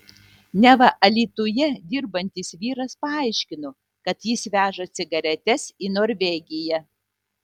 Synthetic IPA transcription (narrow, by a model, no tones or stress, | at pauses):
nʲɛʋɐʔɐlʲiːt̪ʊjɛd̪ʲɪɾbɐnʲt̪ʲɪsʋʲiːɾɐspɐɐˑɪʃʲkʲɪnʊ | kɐt̪jɪsʋʲæːʒɐt̪sʲɪɡɐɾʲɛt̪ʲɛsiːnoːɾʲʋʲɛɡʲɪjɛ